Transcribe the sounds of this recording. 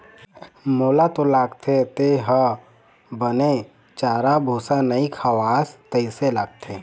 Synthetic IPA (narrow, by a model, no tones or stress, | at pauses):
moːlat̪olaːɡt̪ʰet̪eɦə | bəne | t͡ʃaːɾabʱuːsanəikʰawaːst̪əiselaɡ̚t̪ʰe